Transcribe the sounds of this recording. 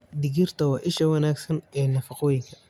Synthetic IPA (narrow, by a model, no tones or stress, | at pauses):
d̪ɪɡirt̪ʰɐwɑːʔɪʃɐwɐnaːɡsɐnɛːnɐfɑqɔːjɪŋkʰɐ̥